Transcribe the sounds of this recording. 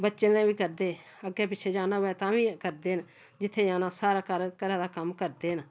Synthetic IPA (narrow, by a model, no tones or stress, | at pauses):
bətːʃẽːnɛ̃ːbiːkəɾd̪eː | əɡːeːpɪtːʃʰeːd͡ʒaːnaːɛːt̪ãːʋĩːkəɾd̪eːɦən | d͡ʒɪt̪ʰːeːd͡ʒaːnãːsaːɾaːkəɾkəɾɛ̃ːd̪aːkəmkəɾd̪eːən